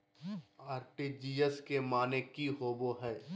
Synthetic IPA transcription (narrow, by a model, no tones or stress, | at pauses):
aːɾʈid͡ʒiːəskemaːnekiɦoːboɦɛː